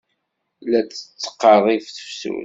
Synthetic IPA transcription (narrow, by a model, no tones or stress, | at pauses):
læt͡sːə̥t͡sːə̥qːɑrˤifθə̥fsṵ